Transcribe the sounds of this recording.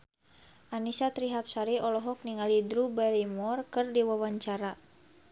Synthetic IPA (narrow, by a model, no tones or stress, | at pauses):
ʔanisat̪ɾiɦap̚saɾiʔɔlɔɦɔk̚niŋalidɾubɛlimɔrkɨrdiwawaɲt͡ʃaɾa